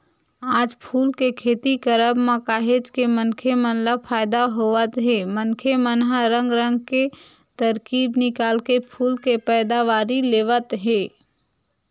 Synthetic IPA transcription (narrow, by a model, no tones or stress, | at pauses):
aːd͡ʒpʰuːlkekʰeːt̪ikəɾəbməkaːɦed͡ʒkemənkʰemənləpʰaːjd̪aɦoʋət̪ɦẽmənkʰemənɦaɾə̃ŋɡɾə̃ŋɡke | t̪əɾkiːbnɪkaːlkepʰuːlkepɛːd̪aʋaːɾileːʋət̪ɦeː